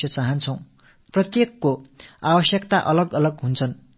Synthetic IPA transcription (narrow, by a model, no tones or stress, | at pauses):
jʌt͡saɦʌnt͡sʰʌw̃ | prʌt̪jekːoabʌsjʌkt̪aʔʌlʌɡʌlʌɡɦunt͡sʰʌn